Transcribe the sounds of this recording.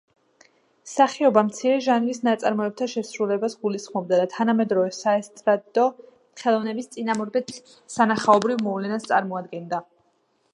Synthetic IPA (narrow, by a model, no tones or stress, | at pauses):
saχiɔbamt̪sʰiɾɛʒanlisnat̪sʼa̰ɾmɔɛp̚t̪ʰaʃɛsɾulɛbasɡulisχmɔb̚d̪ad̪at̪ʰanamɛd̪ɾɔvɛsaɛst̪ʼɾad̪ʼɔ | χɛlˠɔvnɛbist̪sʼinamɔɾbɛt̪ | sanaχaɔbɾivmɔvlɛnast̪sʼaɾmɔad̪ɡɛnd̪a